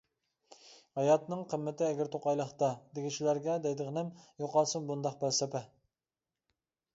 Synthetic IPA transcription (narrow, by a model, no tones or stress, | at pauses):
hɑjɑt̪nɨŋqʰəmːɪt̪ɪɛɡʲæɾt̪ʰoqɑjlˠəχt̪ɑd̪eɡʲiʃilæɾɡʲɛd̪ɛjd̪ɨʁnɪmjoqɑlˠsɨnbund̪ɑqbælsɛpɛ